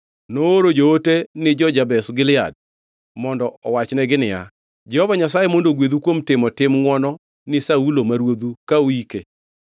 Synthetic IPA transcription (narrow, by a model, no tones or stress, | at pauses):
noːɾod͡ʒootenɪd͡ʒɔd͡ʒabɛsɡɪlɪa̰d̚ | mɔndɔɔwat͡ʃnɛɡɪnɪja̰ | d͡ʒɛhɔvaɲas̬ajemondoɡwed̪ukwomtɪmɔtɪmŋwɔnɔ | nɪsaulomaɾwod̪ukaoike